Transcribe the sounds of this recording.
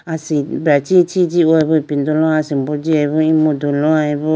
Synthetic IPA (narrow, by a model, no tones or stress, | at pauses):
asibɾat͡ʃit͡ʃit͡ʃiweβupind̪olõãsimbod͡ʒieβuĩmũd̪ulõãeβu